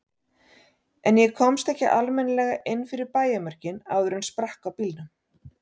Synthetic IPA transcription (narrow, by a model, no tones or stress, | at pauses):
ɛnjɛkʰɔmst̪ɛhcɪʔalmɛnlɛːɣaʔɪnfɪɾɪɾpaːjamar̥cɪna̰wðʏɾʏnspɾahkawpilnʏm